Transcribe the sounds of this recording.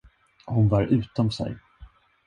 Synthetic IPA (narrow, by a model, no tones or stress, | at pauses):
hʊnvaɾʔʉ̟ːt̪ɔmsɛ̰j